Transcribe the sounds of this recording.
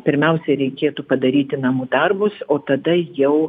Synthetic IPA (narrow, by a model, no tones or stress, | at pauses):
pʲɪɾʲmʲɛʊsʲɛɾʲɛɪkʲeːt̪upɐd̪ɐɾʲiːt̪ʲɪnɐmuːd̪ɐrbʊsoːt̪ɐd̪ɐjɛʊ